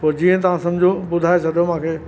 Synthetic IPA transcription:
poɾd͡ʑiːə̃t̪̬ɐʋ̤ãsɐ̃md͡ʑʱobʊd̪ʱaːesɐd̪ʱijomãːkʰeː

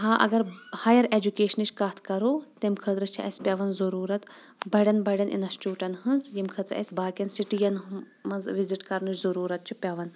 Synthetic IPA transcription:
ɦaːʔɐ̰ɡɐɾhaːjɐɾed͡ʒukʲeːʃɐnit͡ʃʰʲkɐt̪ʰkɐɾoːt̪ɐmkʰɐt̪ɾɨt͡ʃʰiʔɐ̰sʲpʲɐʋɐnzɐɾuːɾɐt̪ | bɐɖʲɐnbɐɖɐnʔḭnɐst͡ʃuːʈɐnɦɨnzjimkʰɐt̪ɾɐ̰sʲbaːkʲɐnsiʈijɐn | mɐnzʋiziʈkɐɾnut͡ʃʰʲzɐɾuːɾɐt̪̚t͡ʃʰupʲɐʋɐn

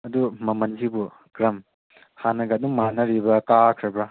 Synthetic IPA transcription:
ɐdumɐmɐnd͡ʒibu | ɡɾɐm | hanɐɡɐduŋmanɐɾibɐkakʰɾɐbɾɐ

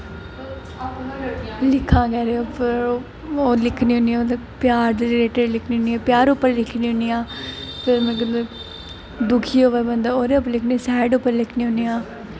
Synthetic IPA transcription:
lɪkʰːãːkɛːɾeõːpʰɪɾ | oːlɪkʰniːɦʊ̃niːã | pjaːɾd̪ɾɾeːʈəɖlɪkʰniːɦʊ̃niːãːpjaːɾʊpːəɾlɪkʰniːɦʊnijãːpʰɪɾmẽɡəl | d̪ʊkʰiːoːʋɛːbənd̪aːoːɾeːop̬ːlɪkʰnisɛːɖʊpːəɾlɪkʰniːʊnijãː

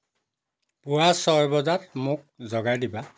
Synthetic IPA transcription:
pʊwasɔɹbɔzatmʊk̚zɔɡajdiba

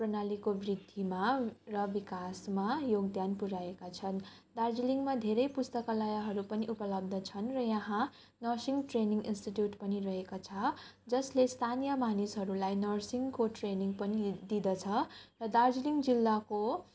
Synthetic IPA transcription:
prʌnalikobrid̪ʱimarʌbikasmajoɡd̪janpuɾaekat͡sʰʌn | d̪ard͡ziliŋɡmad̪ʱeɾʌjpust̪ʌkalajaɦʌɾupʌniʔupʌlʌb̚d̪ʱʌt͡sʰʌnrʌjʌɦã | nʌrsiŋɡʈreniŋɡinsʈiʈjuʈpʌnirʌɦekot͡sʰʌ | d͡zʌslest̪ʰanijʌmanisɦʌɾulajnʌrsiŋɡkoʈreniŋɡpʌnid̪id̪ʌt͡sʰʌrʌd̪ard͡ziliŋɡd͡zilːako

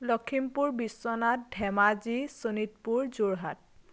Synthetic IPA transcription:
lɔkʰimpuɹbisːɔnat̚dʱɛmazisonit̚puɹzuɹɦa̰t̚

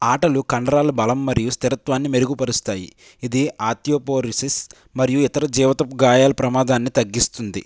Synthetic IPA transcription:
aːʈɐlukɐɳɖɐɾaːlubɐlɐmːɐɾijust̪iɾɐt̪ʋaːnːimeɾuɡupɐɾust̪aːjḭ | id̪iaːt̪ijoːpoːɾisis | mɐɾijuit̪ɐɾɐd͡ʒiːʋɐt̪ɐpɡaːjaːlɐpɾɐmaːd̪aːnːit̪ɐɡːist̪und̪ḭ

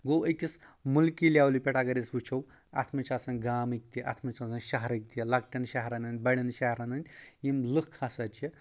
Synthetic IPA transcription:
ɡoːwəkʲismulkilʲawlipʲeʈaɡɐɾisʋut͡ʃʰɐw | ɐ̰t̪ʰmɐt͡ʃʰasɐnɡaːmɨk̚t̪ʲiʔɐ̰t̪ʰmɐt͡ʃʰɐsɐnʃɐɦɾɐk̚t̪ilɐk̚t̪ʲɐnʃɐɦɾɐnɐn̚ʲbɐɽʲɐnʃɐɦɾɐnɐnʲt̪ʲjimlɨkʰːɐsɐt͡ʃʰi

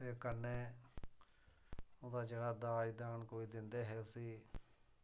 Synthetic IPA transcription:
t̪eːkəɾneː | od̪aːd͡ʒeːɽaːd̪aːid̪aːnkoːiːd̪ɪnd̪eːɦɛːʊsiː

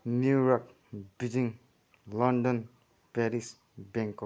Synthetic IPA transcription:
nuɾɔk̚ | bid͡ʒiŋ | lɔndɔn | pɛɾis | bɛŋkɔ

